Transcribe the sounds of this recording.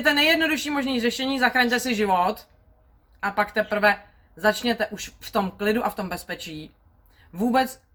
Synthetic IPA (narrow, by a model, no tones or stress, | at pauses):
t̪ɛnɛjɛdno̞duʃiːmoʒniːrɛʃɛɲiːzaxɾaɲt̪ɛsɪʒɪvot̪ | ʔapakt̪ɛpr̩vɛ | zat͡ʃɲɛt̪ɛʔuʃft̪o̞mklɪduʔaft̪o̞mbɛspɛt͡ʃiː | vuːbɛt͡s